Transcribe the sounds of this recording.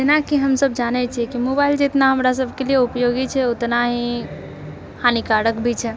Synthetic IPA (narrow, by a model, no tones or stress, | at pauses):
d͡ʒenakiɦəmsəb̚d͡ʒanɛt͡ʃʰiɛkimobaɪld͡ʒet̪naɦəmɾas̬əbʱkelieupjoɡit͡ʃʰɛot̪naɦĩ | hʰanikaɽəkbʱit͡ʃʰɛ